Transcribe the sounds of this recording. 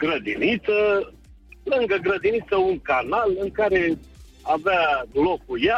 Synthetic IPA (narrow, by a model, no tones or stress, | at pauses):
ɡɾəd̪init̪sə | lɨŋɡəɡɾəd̪init̪səuŋkarnalɨŋkaɾe̞ | avad̪lokuja